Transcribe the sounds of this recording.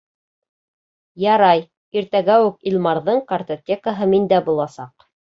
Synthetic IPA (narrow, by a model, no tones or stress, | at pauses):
jɑɾɑj | iɾt̪æɡæwʉkilˠmɑɾðɤɴkɐrt̪ot̪ʲekaɦɤmind̪æbulˠɑsɑq